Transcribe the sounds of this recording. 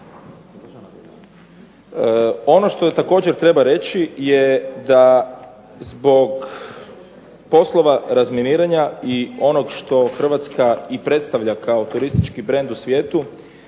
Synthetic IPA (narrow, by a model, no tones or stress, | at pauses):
o̞no̞ʃt̪o̞t̪ako̞ːd͡ʑeɾt̪ɾe̞baɾe̞t͡ɕijed̪a | zbo̞ɡ | po̞slˠo̞ʋaɾazminiːɾaɲaio̞no̞ɡʃt̪o̞xr̩ʋat̪skaipɾe̞t̪st̪aʋʎakao̞t̪uɾist̪it͡ʃkibɾe̞nd̪usʋʲje̞ːt̪u